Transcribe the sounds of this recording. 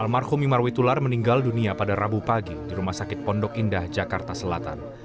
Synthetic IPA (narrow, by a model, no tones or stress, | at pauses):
ʔalmarhʊmimarwit̪ularməniŋɡalduniapadarabupaɡidiɾumahsakɪt̪̚pɔndɔkindahd͡ʒakart̪asəlat̪a̰n